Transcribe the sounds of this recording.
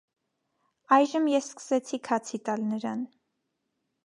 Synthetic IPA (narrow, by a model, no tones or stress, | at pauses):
ɑjʒəmjɛsskə̥sɛt͡sʰikʰɑt͡sʰit̪ɑlnəɾɑn